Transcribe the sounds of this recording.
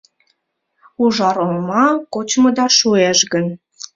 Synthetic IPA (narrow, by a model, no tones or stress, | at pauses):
uʒɑɾolmɑkot͡ɕməd̪ɑʃueʃɡən